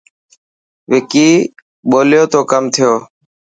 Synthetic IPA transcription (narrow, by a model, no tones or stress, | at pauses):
ʋɪkiː | ɓoːljoːt̪oːkəmt̪ʰɪjoː